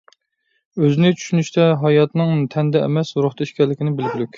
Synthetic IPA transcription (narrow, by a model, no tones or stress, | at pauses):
øzɪnɪt͡ʃʰy̥ʃynyʃt̪ʰɛɦɑjɑt̪nɨŋt̪ʰɛnd̪ɛ̰mɛsuɾʊχt̪ʰɑiʃkʲɛlːɪkʲinɪbɪlɡʲylykʲ